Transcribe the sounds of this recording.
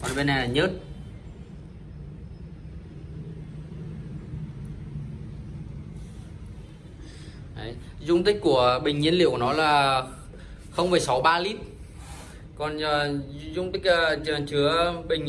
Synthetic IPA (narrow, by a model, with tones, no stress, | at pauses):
kɔ˨˩nɓe˧nːa˨˩jlaː˨˩ɲəː˦˥t̚ | ʔə˨˦j | zʊ˧ŋ͡mt̪ï˦˥k̟̚kːu˧˩əɓï˨˩ŋ̟ɲi˧ənlḭ˧˨əknɔ˨˦laː˨˩ | xə˧wmvə˨˩jsa˨˦wɓaː˧li˦˥t̚ | kɔ˨˩n˨˩zʊ˧ŋ͡mt̪ï˦˥k̚ʔəː˨˩t͡ɕə˨˩nt͡ɕɨ˨˦əɓï˨˩ŋ̟ɲ